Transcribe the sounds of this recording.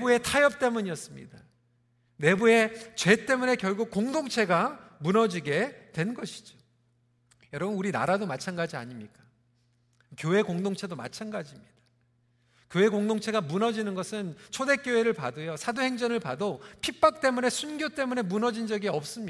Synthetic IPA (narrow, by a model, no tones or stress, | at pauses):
bue̞tʰajʌp̚t͈e̞muɲiʌs͈ɯmɲida | ne̞bue̞t͡ɕwe̞t͈e̞mune̞kjʌɭɡuk̚k͈oŋdoŋt͡ɕʰe̞ɡamunʌd͡ʑiɡe̞twe̞nnɡʌɕʰi̥d͡ʑo | jʌɾʌbɯnuɾina̰ɾadomat͡ɕʰanɡad͡ʑia̰ɲimɲik͈a | kjoe̞koŋdoŋt͡ɕʰe̞doma̰t͡ɕʰanɡad͡ʑimɲid̥ḁ | kjoe̞koŋdoŋt͡ɕʰe̞ɡamunʌd͡ʑinɯnɡʌsʰɯnt͡ɕʰode̞k͈joɦe̞ɾɯɭpadojosʰadohe̞ŋd͡ʑʌnɯɭpadopʰip͈ak̚t͈e̞mune̞sʰunɡjot͈e̞mune̞munʌd͡ʑind͡ʑʌɡiʌp̚s͈ɯmɲi